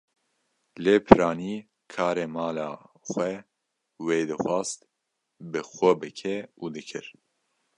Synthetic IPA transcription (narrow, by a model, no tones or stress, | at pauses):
leːpʰɨɾɑːniː | kʰɑːɾeːmaːlaːxʷɛ | weːd̪ɨxʷɑːst̪ | bɨxʷɛbɨkʰɛuːd̪ɨkʰɨɾ